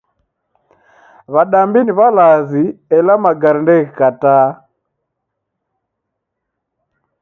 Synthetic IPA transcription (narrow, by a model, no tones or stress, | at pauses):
βaɗambiniβalaziɛlamaɡaɾindɛɣikataː